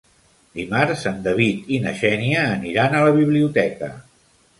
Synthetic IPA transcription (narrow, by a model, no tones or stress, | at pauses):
d̪imaɾsənd̪əβit̪inəʃɛniəːniɾanələβiβ̞liut̪ɛkə̰